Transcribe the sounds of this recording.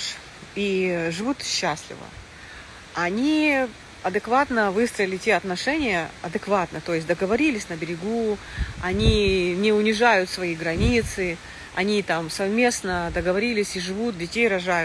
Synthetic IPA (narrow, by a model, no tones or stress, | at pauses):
ʂ | iʐɨvut̪ɕːasʲlʲɪ̰və̰ | ɐnʲi | ɐd̪ɨkvat̪nəvɨst̪ɾəɪlʲɪtʲeɐt̪nɐʂɛnʲɪjəɐd̪ɨkvat̪nət̪o̞jɪsʲt̚ʲd̪əɡəvɐɾʲilʲɪsʲnəbʲɪɾʲɪɡuɐnʲinʲɪʊnʲɪʐajʊt̪svɐiɡɾɐnʲit̪sɨ | ɐ̰nʲit̪amsɐvmʲe̞snəd̪əɡəvɐɾʲilʲɪsʲiʐɨvut̪̚dʲɪtʲejɾɐʐajʊ